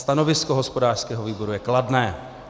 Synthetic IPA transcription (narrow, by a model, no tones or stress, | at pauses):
st̪ano̞vɪskoɦo̞spo̞daːr̥skɛːɦoviːbo̞ɾujɛkladnɛː